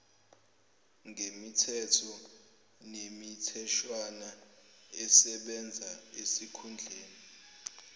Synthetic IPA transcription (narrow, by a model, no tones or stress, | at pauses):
ŋʱemitʰɛtʰɔ | nemitʰɛʃwanaɛsɛɓɛnd͡zʱaesikʰund͡ɮʱeːni